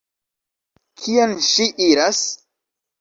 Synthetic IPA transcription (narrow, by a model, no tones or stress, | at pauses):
kʰianʃiʔiɾas